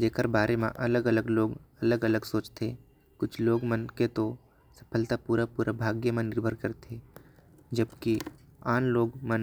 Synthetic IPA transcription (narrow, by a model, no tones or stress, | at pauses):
d͡ʒeːkəɾbaːɾemã̰ʔɐləɡələɡloːɡɐləɡələɡsoːt͡ʃt̪ʰe | kʊt͡ʃʰloːɡmənket̪o | sə̥pʰəlt̪apuːɾapuːɾʔabʱaːɡjemẽnɪɾbʱəɾkəɾt̪ʰe | d͡ʒəbki | aːnloːɡmən